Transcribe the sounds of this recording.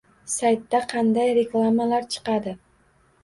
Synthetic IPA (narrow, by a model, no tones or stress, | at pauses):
sajt̪ːaqʰɑnd̪ajɾe̞klˠamalaɾt͡ʃʰɨ̥qɑd̪ɪ